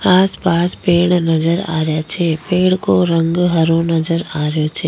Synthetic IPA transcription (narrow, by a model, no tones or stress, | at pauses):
aːspaːspeːɽ̃nɐzəɾa̰ːɾɪjat͡ʃʰeːpeːɽ̃koɾɐ̃ŋɡɦɐɾõnɐzəɾaːɾjot͡ʃʰeː